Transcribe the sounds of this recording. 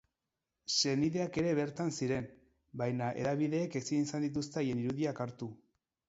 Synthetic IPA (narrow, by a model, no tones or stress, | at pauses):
se̞niðe̞ake̞ɾe̞βe̞ɾt̪ansiɾe̞n | bajnaʔe̞̰ðaβ̞iðe̞ːke̞sinisand̪it̪̬ust̪eajeniɾuðiakaɾt̪u